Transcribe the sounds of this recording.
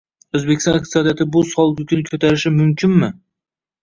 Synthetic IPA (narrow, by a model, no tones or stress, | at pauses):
ɵzbe̞kʲɪst̪ɑnɪqt̪ɨ̥sɒd̪ijat̪ʰɪbʊsɒlˠɡʲʊkʲʰʊnɪkʰɵt̪ʰaɾɪʃɪmʊmkʰʲɪnmɪ